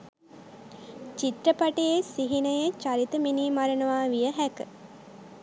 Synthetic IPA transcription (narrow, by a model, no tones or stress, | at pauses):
t͡ʃit̪ɾəpaʈejesiɦinəjət͡ʃaɾit̪əminiːmaɾənəʋaːʋijəɦækə